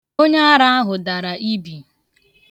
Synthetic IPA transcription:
o˦ɲa˦a˦ɾa˦a˦ɦʊ˨da˨ɾa˨ʔi˦bi˨

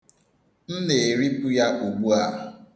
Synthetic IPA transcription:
n̩˦ne˨ɾi˦pu˦ja˦ʔo˨ɡ͡bu˦a˨

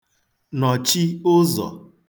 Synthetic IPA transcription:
nɔ˨t͡ʃi˦ʊ˦zɔ̰˨

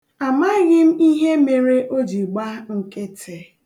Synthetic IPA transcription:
a˨ma˦ɣɪ˦m̩˦i˦ɦe˦me˨ɾe˦ʔo˦d͡ʒi˨ɡ͡ba˦ŋ̩˦ke˦tʰe˨

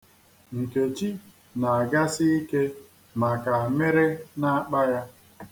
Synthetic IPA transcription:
ŋ̩˨ke˨t͡ʃi˦ | na˨a˨ɡa˦sɪ˦i˦ke˦ | ma˨ka˨me˦ɾe˦na˦k͡pa˦ja˦

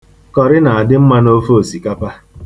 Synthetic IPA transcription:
kɔ˨ɾɪ˦na˨a˨dɪ˦m̩˦ma˦no˦fo˦o˨si˨ka˦pa˦

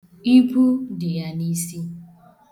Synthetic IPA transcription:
i˦pu˦dɪ˨ja˦ni˦si˦

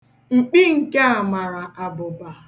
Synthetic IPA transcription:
ŋ͡m̩˨k͡pi˦ŋ̩˨ke˦a˨ma˨ɾa˨a˨bʊ˨ba˨

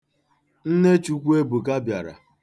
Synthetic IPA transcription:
n̩˦ne˦t͡ʃu˦kʷu˦e˦bu˨ka˦bja˨ɾa̰˨

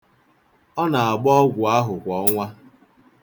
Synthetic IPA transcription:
ɔ˦na˨a˨ɡ͡bɔ˦ɡʷʊ˨a˦ɦʊ˨kʷɔ˨˦ŋʷa˦

